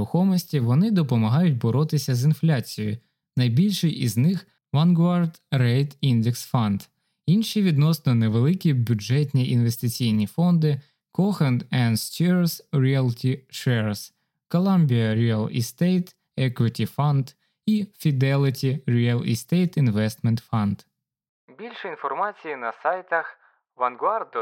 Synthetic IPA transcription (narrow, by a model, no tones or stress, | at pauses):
ʊxɔmɔsʲtʲiʋɔnɪd̪ɔpɔmɐɦɑjʊt̚ʲbɔɾɔt̪ɪsʲɐzɪnflʲat͡sʲijjʊ̰ | nɐjbʲilʲʃɪjʔiznɪx | ʋɐnɡʋɑrd̪rɛjt̪ind̪eksfɔnd̪̥ | inʃiʋʲid̪nɔsnɔneʋelˠɪkʲibʲʊd͡ʒɛtʲnʲiʔinʋe̞st̪ɪt͡sʲijnʲifɔnd̪ɪ | kɔxɐnd̪ɛnst̪ʲusɾʲialˠtʲiʂɛɹs | kɔlˠamʲbʲiɐɾʲiɐlˠɪ̰st̪ejt̪ | ɛkwɪtʲifand̪ | ifʲid̪ɛlʲˠɪtʲiɾʲiɐlˠɪ̰st̪ejt̪ɪnʋɛst̪mɛ̃nt̪fand̪ | bʲilʲʂɨinfɔrmat͡sʲɪːnɐsajt̪ɐx | ʋɐnɡard̪